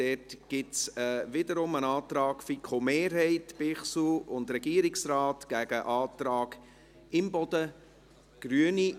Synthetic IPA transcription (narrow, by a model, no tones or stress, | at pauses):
d̥ɛtɡ̥ɪtsɛʋɪdəɾʊmənɑːt̪ɾɑːɡ̥fikʰomeːɾɦɛɪtpɪχsuʊndrɛɡiːəɾɪksrɑːtɡ̥æɡ̥əʔɑːt̪ɾɑːɡ | ɪmbɔd̥ə | ɡ̥ɾyəni